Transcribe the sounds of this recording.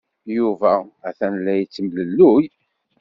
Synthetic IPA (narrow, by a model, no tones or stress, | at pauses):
juvææθænlːæjət͡sːəmləlːuj